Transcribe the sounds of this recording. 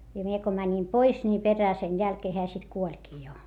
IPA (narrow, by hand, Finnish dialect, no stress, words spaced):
jɑ mie ko mænʲim pois ni peræː sen jælkeː heæ sit kuolʲkiː jo